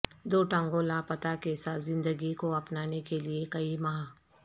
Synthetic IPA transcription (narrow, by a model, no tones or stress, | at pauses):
d̪oːʈãːŋɡolapɐt̪akesaːt̪zɪ̃nd̪əɡikoɐpnaːnekeliekɐimɐɦa